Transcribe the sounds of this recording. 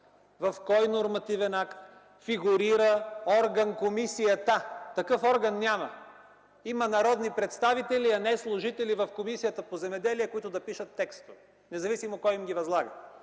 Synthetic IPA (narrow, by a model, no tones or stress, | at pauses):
vɐfkɔjnoɾmɐt̪ivɛnakt̪ | fiɡuɾiɾəɔɾɡɐnkomisijət̪at̪ɐkɤfɔɾɡɐnːʲamɐ | imɐnɐɾɔd̪nipɾɛt̪st̪avit̪ɛliɐnɛslˠʊʒit̪ɛlivɐfkomisijət̪əpozɛmɛd̪ɛliɛkoit̪ʊd̪ɐpiʃət̪ːɛkst̪o | nɛzɐvisimokːɔjimɡʲivɐzlˠaɡə